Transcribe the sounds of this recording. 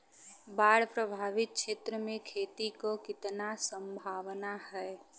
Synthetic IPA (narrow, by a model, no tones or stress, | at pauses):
baːɽpɾəbʱaːʋɪt̪̚ʃʰeːt̪ɾəmẽkʰeːt̪ikokɪt̪nasə̃mbʱaːʋnahɛː